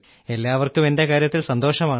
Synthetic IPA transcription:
e̞lːaːʋɐrkumende̞kaːɾjɐt̪ːilsɐnd̪o̞ːʂɐmaː

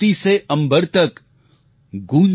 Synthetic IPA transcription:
iseɐ̃mbəɾt̪ək | ɡũːn

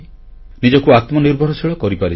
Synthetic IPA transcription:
nid͡ʒɔkuat̪mɔniɾbʱɔɾɔsʰiɭɔkɔɾipaɾi

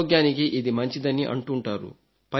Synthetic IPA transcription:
ɡjaːnikiʔid̪imɐɲt͡ʃid̪ɐnːiʔɐ̰ɳʈuɳʈaːɾṵ | pɐ

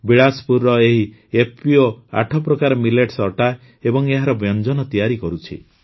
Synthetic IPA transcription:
biɭaspuɾːɔeɦi | epioa̰ʈʰɔpɾɔkaɾɔmileʈsɔʈa | ebɔŋeɦaɾɔbjɔnd͡ʒɔnɔt̪ijaɾikɔɾut͡ʃʰḭ

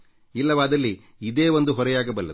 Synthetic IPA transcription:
ilːɐʋaːd̪ɐlːiː | d̪e̞ːʋond̪uɦɔɾɐjaːɡɐbɐlːɐ̰d̪

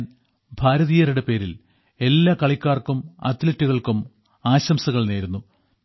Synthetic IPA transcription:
n | bʱaːɾɐðijɐɾiɽepe̞ːɾil | e̞lːaːkɐɭikʲːaːrkumɐ̰t̪lɐtːuɣɐɭkum | aːɕɐmsɐɣɐɭne̞ːɾunːu

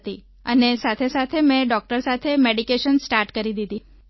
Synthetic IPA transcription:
t̪i | ənesat̪ʰesat̪ʰemẽɖɔk̚ʈəɾsat̪ʰemeɖikeʃənsʈaɾʈkəɾid̪id̪i

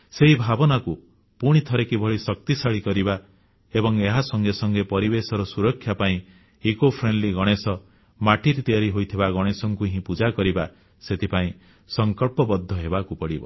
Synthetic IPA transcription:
seɦibʱabɔnaku | puɽ̃it̪ʰɔɾekibʱɔɭisɔk̚t̪isaɭikɔɾiba | ebɔŋeɦasɔŋɡesɔŋɡepɔɾibesɔɾɔsuɾɔkʰːjapaĩ | ikopʰɾenɖliɡɔɽ̃esɔ | maʈiɾt̪iaɾiɦojt̪ʰibaɡɔɽ̃esɔŋkueɦĩpud͡ʒakɔɾiba | set̪ʰipaĩ | sɔŋkɔɭpɔbɔd̪ʱːɔɦebakupɔɽibɔ̰

